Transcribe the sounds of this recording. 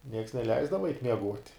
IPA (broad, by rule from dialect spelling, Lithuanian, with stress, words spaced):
nʲiɛks nʲɛˈlʲɛɪzdɐʋɐ ɛɪtʲ mʲiɛˈɡuɔtʲ